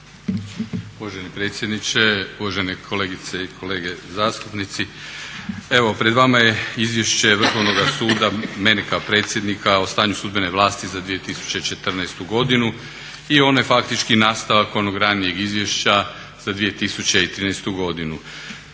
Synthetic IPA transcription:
uʋaʒenipɾe̞ːt̪sje̞d̪nit͡ɕe̞uʋaʒenekʰo̞leːɡit̪seikʰo̞leːɡezaːst̪upnit̪si | e̞ʋo̞pɾe̞d̪ʋamaje̞izʋje̞ʃt͡ɕe̞ʋr̩xo̞ʋnoɡasuːd̪ame̞nekaopɾe̞t̪sjed̪nikʰaost̪aːɲusud̪beneʋlˠaːst̪izad̪ʋije̞t̪isu̥t͡ɕe̞it͡ʃe̞t̪r̩nɛest̪uɡo̞d̪inu | io̞naje̞fakt̪it͡ʃkinaːst̪aʋako̞noɡɾaːnije̞ɡizʋje̞ʃt͡ɕa | z̥ad̪ʋije̞t̪isut͡ɕe̞it̪ɾiːnɛjst̪uɡo̞d̪inu

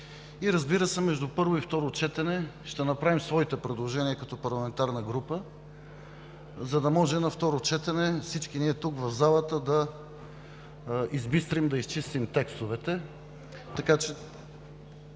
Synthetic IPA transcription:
iɾɐzbiɾəsɛmɛʒd̪upɤɾvoift̪ɔɾot͡ʃɛt̪ɛnɛʃt̪ɛnɐpɾavimsvɔit̪ɛpɾɛd̪lˠoʒɛniəkɐt̪ɔpɐɾlˠɐmɛnt̪aɾnəɡɾupə | zɐd̪ɐmɔʒɛnɐft̪ɔɾot͡ʃɛt̪ɛnɛfsit͡ʃkiniɛt̪uɡvɐvzalˠət̪əd̪ɐ | izbist̪ɾimd̪ɐist͡ʃist̪imt̪ɛkst̪ovɛt̪ɛ | t̪ɐkat͡ʃɛ

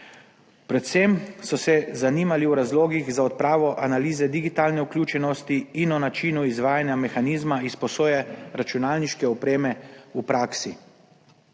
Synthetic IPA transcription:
pɾɛt̪sɛmsɔsɛzaniːmaliwɾazloːɡiɣzaɔt̪̚pɾaːʋɔʔanaliːzɛd̪iɡit̪aːlnɛukljuːt͡ʃɛnɔst̪iːnɔnat͡ʃiːnuizʋaːjanjamɛxaniːzmaispɔsoːjɛɾat͡ʃunaːlniʃkɛɔpɾeːmɛupɾaːksi

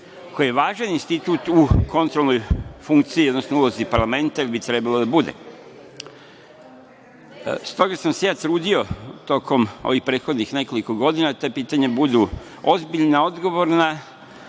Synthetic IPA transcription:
ko̞jijeʋaːʒaninst̪it̪uːt̪uko̞nt̪ɾo̞lˠno̞jfuŋkt̪siiod̪nosnoulˠo̞zipaɾlˠame̞nt̪ajilbit̪ɾe̞balˠod̪abud̪ḛ | st̪o̞ɡasamsejaːt̪ɾuːd̪io̞t̪o̞kʰo̞mo̰ʋixpɾet̪xo̞d̪nixne̞ko̞liko̞ɡo̞d̪inat̪opiːt̪aɲebud̪u | o̞zbiʎnao̞d̪ɡo̞ʋo̞ɾna

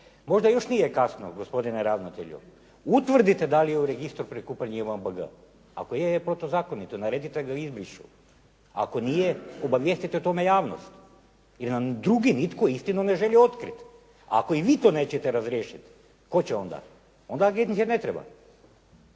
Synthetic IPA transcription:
mo̞ʒd̪ajo̞ʃnijekasno̰ɡospo̞d̪ineɾaʋnot̪ḛʎṵ | ut̪ʋr̩d̪it̪ed̪alijeuɾeɡist̪ɾpɾikupaɲemanbəɡə̰ | a̰kojepɾot̪ozaːkonit̪onaɾed̪it̪eɡaizbɾiʃu | a̰ko̞nijeobaʋjest̪it̪et̪o̞mejaːʋno̰st̪ | jiɾnad̪ɾuɡinit̪koist̪inone̞ʒeʎio̞t̪kɾit̪ | a̰ako̞iʋiːt̪o̞ːneːt͡ɕet̪eɾazɾjeːʃit̪ | ko̞t͡ɕeo̞nd̪a̰ | ond̪aɡet̪nisenet̪ɾeba̰

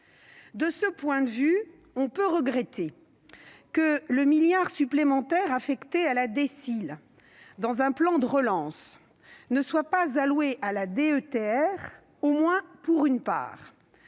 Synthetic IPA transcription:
d̪əsəpwɛ̃d̪əvy | ɔ̃pøʁəɡʁɛt̪e | kələmiljaʁsyplemɑ̃t̪ɛʁafɛkt̪ealad̪esil | d̪ɑ̃zɛ̃plɑ̃d̪əʁəlɑ̃s | nəswapazalweʔalad̪eøt̪eɛʁ | omwɛ̃puʁynpa̰ːʁ

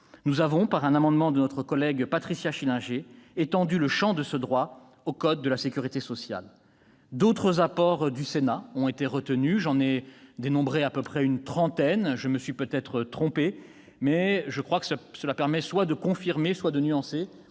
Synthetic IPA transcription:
nuzavɔ̃paʁɛ̃namɑ̃d̪mɑ̃d̪ənɔt̪χəkɔlɛɡpat̪χisjaʃilɛ̃ʒeːt̪ɑ̃d̪yləʃɑ̃d̪əsəd̪ʁwa | okɔd̪̚ːəlasekʲyʁit̪esɔsja̰l | d̪ot̪χəzapɔʁd̪ysenaɔ̃et̪eʁət̪ənyʒɑ̃nɛd̪enɔ̃bʁeapøpχɛynt̪χɑ̃t̪ɛnʒəməsɥipøt̪ɛt̪χət̪χɔ̃pe | mɛʒəkχwakə̥ssəlapɛʁmɛswad̪əkɔ̃fiʁmeswad̪ənyɑ̃se

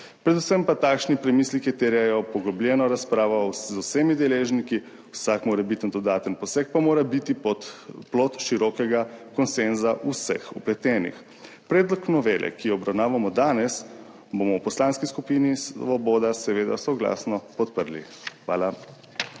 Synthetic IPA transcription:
pɾɛd̪usəmpat̪aːkʃnipɾɛmislikit̪eɾjajɔpɔɡɔblʲjɛːnɔɾaspɾaːʋɔzusemid̪ɛleːʒniki | wsakmoːɾɛbit̪ənd̪ɔd̪aːt̪ənpɔsɛk̚pamoːɾabit̪ipɔt̪ploːt̪ʃiɾɔkɛɡakɔnsenzaʔusɛ̰xuplɛt̪ɛːnḭx | pɾɛːd̪lɔknɔʋeːlɛ̰kijɔɔbɾawnaːʋamɔd̪aːnɛs | bomɔwpɔslaːnskiskupiːnisʋɔboːd̪asɛʋeːd̪a̰sɔɡla̰ːsnɔpɔt̪̚pəɾlḭ | xʋa̰ːla

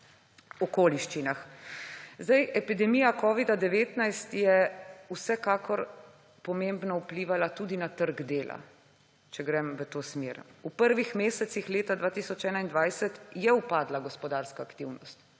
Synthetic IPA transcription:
ɔkoːliʃt͡ʃinax | zd̪ajʔɛpid̪ɛmiːjakɔːʋid̪ad̪ɛʋeːt̪najst̪jɛusɛkaːkɔɾ | pɔmembnɔupliːʋalat̪uːd̪inat̪əɾɡd̪eːla̰ | t͡ʃɛɡɾɛmʋət̪oːsmeːɾupəɾʋixmeːsɛt̪sixleːt̪ad̪ʋaːt̪isɔt͡ʃɛːnaind̪ʋajsɛt̪jɛupaːd̪laɡɔspɔd̪aːɾskaːkt̪iwnɔst̪

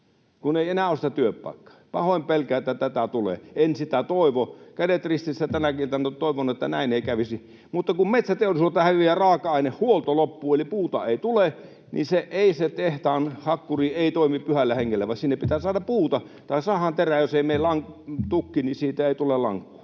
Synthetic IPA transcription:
kuneˑienæːoˑsi̥t̪æt̪yøppɑ̰ˑekːɑ̥pɑhoˑimpelkæet̪ːæt̪æt̪æt̪ulḛensit̪æt̪oˑiʋokædet̪rist̪isːæt̪ænækint̪ænt̪oˑiʋonet̪ːænæ̰ˑineˑikæʋisi | mut̪ːɑkummet̪sæt̪eˑiolislot̪ːɑhæʋiærɑːkɑɑˑinehhuolt̪olopːuːelipuːt̪ɑeˑit̪ule | nḭseʔeˑiset̪eht̪ɑːnhɑkːuriːeˑit̪oˑimipyhælːæheŋːelːæʋɑˑsinːeppit̪æːsɑːdɑppuːt̪ɑ | t̪ɑˑisɑːhɑnt̪eræjoseˑimeˑillɑŋt̪ukːinisiːt̪æeˑit̪ulellɑ̰ŋkːu̥ː

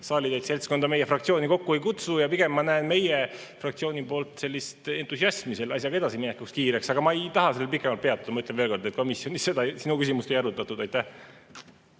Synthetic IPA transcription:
sɑːlʲid̪et̪se̞lʲsko̞nd̪ɑme̞je̞frɑkt̪sio̞ːniko̞kːuejkut̪sujɑpiɡ̥e̞mːɑnæenme̞je | frɑkt̪sio̞ːnipo̞ːlt̪ˑse̞lʲːist̪e̞nt̪ˑusiɑsmise̞lɑsʲjɑɡ̥ɑe̞d̪ɑsiminekːˑukskiːɾe̞ksɑɡ̥ɑmɑejt̪ɑɦɑse̞lːepikːˑemɑlt̪̚pe̞ɑt̪ːˑud̪ɑmyt̪ːˑlenvelko̞rd̪et̪̚ko̞misjo̞nisse̞d̪ɑsinukysimust̪e̞jɑɾut̪ːˑɑt̪ːˑud̪̥ɑjt̪ːæh

